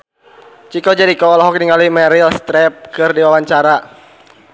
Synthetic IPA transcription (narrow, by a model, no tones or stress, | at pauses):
t͡ʃikɔd͡ʒɛɾikɔːlɔɦɔk̚niŋalimɛɾilst̪ɾɛp̚kɨrdiwawaɲt͡ʃaɾa